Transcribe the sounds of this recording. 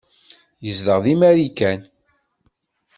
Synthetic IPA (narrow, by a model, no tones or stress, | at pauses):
jəzðəʁðimæɾikæn